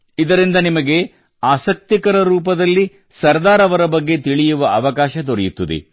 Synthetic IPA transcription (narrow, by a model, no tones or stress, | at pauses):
id̪ɐɾind̪ɐnimɐɡe̞ | aːsɐk̚t̪ikɐɾɐɾuːp̬ɐd̪ɐlːi | sɐɾd̪aːɾɐʋɐɾɐbɐɡːe̞t̪iɭijuʋɐɐʋɐkaːʃɐd̪oɾɛjut̪ːɐd̪ḛ